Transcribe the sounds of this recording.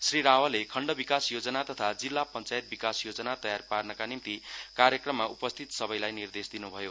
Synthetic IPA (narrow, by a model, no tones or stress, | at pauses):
sriɾawʌlekʰʌɳɖʌbikasjod͡zʌnat̪ʌt̪ʰad͡zilːapʌnt͡sajet̪̚bikasjod͡zʌnat̪ʌjarparnʌkanimt̪ikaɾjʌkrʌmːaʔupʌst̪ʰit̪sʌbʌjlajnird̪esd̪inubʱʌjo